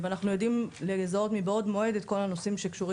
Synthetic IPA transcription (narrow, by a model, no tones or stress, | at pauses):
veanaχnujo̞dimlezao̞t̪mibaod̪mo̞e̞d̪et̚ko̞lano̞simʃekʃuʁi